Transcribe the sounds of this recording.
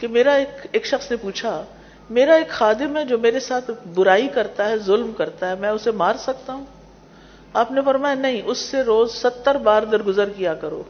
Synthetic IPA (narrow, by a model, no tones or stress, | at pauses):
kemeːɾaeːkeːkʃɐxsnepuːt͡ʃʰa | meːɾaeːkxaːd̪ɪmɦɛd͡ʒoːmeːɾesaːt̪ʰbʊɾaːikɐɾt̪aɦɛzʊlmkɐɾt̪aɦɛmɛ̃ːʊsemaːɾsɐk̚t̪aɦũː | aːpnefɐɾmaːjanɐɦĩʔʊsːeɾoːzsɐt̪ːəɾbaːɾd̪ɐɾɡʊzəɾkijakɐɾo̰ː